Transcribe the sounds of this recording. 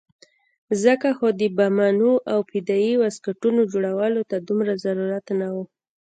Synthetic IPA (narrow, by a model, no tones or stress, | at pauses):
zəkaxod̪əbamanuʔawpɪd̪ɑiwaskaʈunod͡ʒoɽawalot̪ad̪umɾazaɾuɾat̪nawu